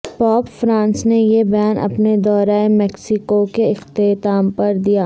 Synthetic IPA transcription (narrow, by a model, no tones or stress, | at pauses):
pɔːpfɾãːnsnejebɐjaːnʔɐ̰pned̪ɔːɾaemɛksɪkokeɪxt̪et̪aːmpɐɾd̪ijaː